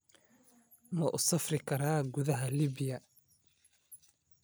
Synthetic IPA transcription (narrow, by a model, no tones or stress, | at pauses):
mɐʔʊsɐfrɪkʰɐɾaːɡʊðɐɦɐliːbɪjɐ